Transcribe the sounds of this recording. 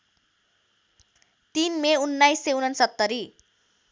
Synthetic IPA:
t̪inmeunːajsewnʌnsʌt̪ːʌɾi

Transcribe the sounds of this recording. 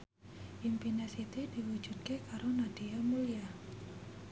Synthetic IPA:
ʔimpinesit̪id̥iwu̥d͡ʒʒ̥ud̪̚kekaɾonad̥iamulija

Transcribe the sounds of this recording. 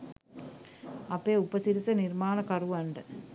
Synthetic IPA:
ɐpːeːupɐsiɾisɐniɾmaːnɐkɐruʋɐɳɖɐ

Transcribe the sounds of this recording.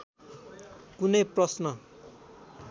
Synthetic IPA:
kunʌjprʌsnʌ

